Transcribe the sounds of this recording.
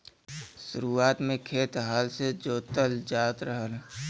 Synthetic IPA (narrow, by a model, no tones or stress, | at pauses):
ʃʊɾuaːt̪mẽkʰeːt̪ɦaːlsed͡ʒoːt̪əld͡ʒaːt̪ɾəɦəl